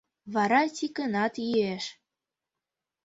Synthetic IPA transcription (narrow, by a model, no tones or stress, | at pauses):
βɑɾɑtʲikənɑt̪jieʃ